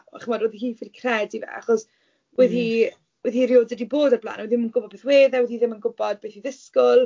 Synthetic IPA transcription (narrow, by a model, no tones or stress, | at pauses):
a̰χəmɔdwɛðiɦiːfɪlkʰrɛdivɛ̰a̰χɔs | wɛði | wɛðiːɾjoːdədiboːdarbla̰ːnwɛðiɪmənɡʊbɔd̚beːθweːðɛwɛðhiːðɪmənɡʊbɔd̚beːθhiðɪskʊlˠ